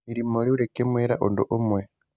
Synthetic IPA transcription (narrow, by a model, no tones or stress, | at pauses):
iɾimoliuɾekemweɾa̰ʔondoʔumwe